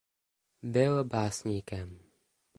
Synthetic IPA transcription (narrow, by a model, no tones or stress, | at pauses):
bɪlbaːsɲiːkɛm